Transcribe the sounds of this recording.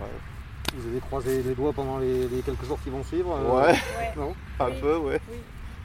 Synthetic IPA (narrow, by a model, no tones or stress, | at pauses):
ɛ̰ | vuzavekχwazeled̪wapɑ̃d̪ɑ̃lelekʲɛlkəʒuʁkʲilvɔ̃sɥivʁwɛnɔ̃ | ɛ̃pøwɛ